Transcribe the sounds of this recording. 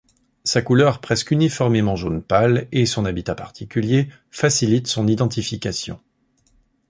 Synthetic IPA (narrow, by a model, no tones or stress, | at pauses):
sakulœʁpχɛskynifɔʁmemɑ̃ʒonpalesɔ̃nabit̪apaʁt̪ʰikʲylje | fasilit̪sɔ̃nid̪ɑ̃t̪ifikasjɔ̰̃